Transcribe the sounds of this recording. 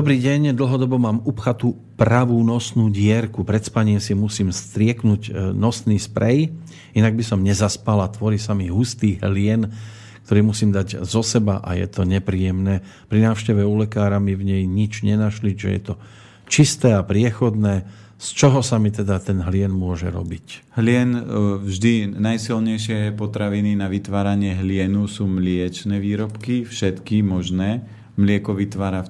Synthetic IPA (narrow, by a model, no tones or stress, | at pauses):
d̪ɔbɾiːɟɛɲd̪l̩ˠɦɔd̪ɔbɔmaːmupxat̪uː | pɾaʋuːnɔsnuːɟɪɛɾkupɾɛt̪spaɲimsimusiːmst̪ɾɪɛknuɟnɔsniːspɾɛj | inaɡ̚bisɔmɲɛzaspalat̪ʋɔɾiːsamiɦust̪iːɦlɪɛn | k̚t̪ɔɾiːmusiːmd̪aɟzɔsɛba̰ʔa̰jɛ̰t̪ɔɲɛpɾiːjɛmnɛː | pɾinaːʊʃcɛʋɛulɛkaːɾamivɲɛjɲit͡ʃɲɛnaʃliʒɛ̰jɛ̰t̪ɔ | t͡ʃist̪ɛːapɾɪɛxɔd̪nɛː | st͡ʃɔɦɔsamit̪ɛd̪at̪ɛnɦlɪɛnmʊɔʒɛ̰ɾɔ̰bic | ɦlɪɛnvʒd̪inajsilɲɛjʃɪɛpɔt̪ɾaʋininaʋit̪ʋaːɾaɲɪɛɦlɪɛnusuːmlɪɛt͡ʃnɛːʋiːɾɔpkifʃɛt̪kimɔʒnɛː | mlɪɛkɔʋit̪ʋaːɾa